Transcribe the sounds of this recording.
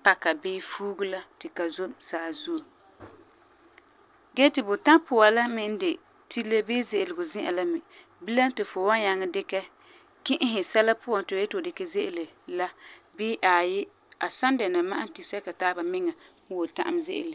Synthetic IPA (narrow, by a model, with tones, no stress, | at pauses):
pa˨ka˨bɪː˦fuː˦ɡʊ˦la˦tɪ˨ka˨zo˦msaː˨zu˦˨ | ɡɛ˦tɪ˨bʊ˨ta˦pʊ˨a˨la˦mɪ˦n˦de˨ | tʰi˦le˦bɪː˦zɪ˨ʔɪ˨lɪ˨ɡʊ˨zɪ̃˦ʔa̰˨la˦mɪ˨ | bi˦la˦n˦tɪ˨fʊ˨wa˦nɲa˨ŋɛ˦dɪ˦kɛ˦ | kɪ˦ʔɪ˦ɦɪ˨sɛ˦la˦pʊ˦a˨n˦tɪ˨ʊ˨ɛ˦tɪ˨ʊ˨dɪ˨kɛ˦ze˦ʔɪ˦˨le˨la˦bɪː˦ʔaː˨jɪ˦ | a˨sa˦ndɛ˨na˨ma˦ʔa˦n˦ti˨sɛ˦ka˨taː˦ba˨mɪ˦ŋa˨˦ | wo˨ta̰˦ʔa̰˦mzɪ̰˦ʔɪ̰˨le˨